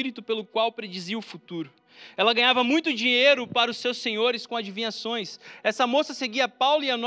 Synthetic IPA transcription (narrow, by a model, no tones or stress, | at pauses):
iɾit̪ʊpelʊkwawpɾed͡ʒiziɐʊfut̪uɾʊ | ɛlɐɡɐ̃ɲ̃avɐmũj̃t̪ʊd͡ʒĩɲejɾʊpaɾɐʊsːewsẽɲoɾɪskõad͡ʒivĩɲasõj̃sɛsɐmosɐseɡiɐapawlian